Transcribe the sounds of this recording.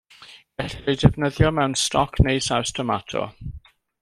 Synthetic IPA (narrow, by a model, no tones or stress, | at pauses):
ɡ̥ɛɬjdɪvnəðjɔmɛwnstʰɔkʰnejsawstʰɔmatʰɔ̰